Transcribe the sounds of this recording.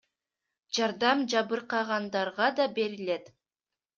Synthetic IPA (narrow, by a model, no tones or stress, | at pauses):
d͡ʒɑɾd̪ɑmd͡ʒɑβɯɾqɑʁɑnd̪ɑɾʁɑd̪ɑbe̞ɾile̞t̪